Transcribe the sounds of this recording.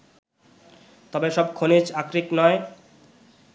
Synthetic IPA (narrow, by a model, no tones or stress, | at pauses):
t̪ɔbeʃɔb̚kʰonid͡ʑakɾiknɔe